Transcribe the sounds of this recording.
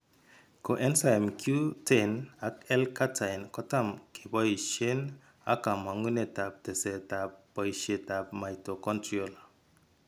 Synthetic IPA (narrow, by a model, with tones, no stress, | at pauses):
ko˨ʔɛ˦nsa˨ɛ˨mkʰju˦tʰɛ˦˨na˦kɛ˦lka˦tʰa˨jnkɔ˦ta˦˨mkʰe˨bɔ˦i˨ʃe˦n | a̰˦ka˨ma˨ŋu˦ne˨ta˨p̚tɛ˨sɛ˨ta˨p̚bɔ˨i˨ʃe˨ta˨p̚ma˨jto˨kɔ˦ntɾo˨l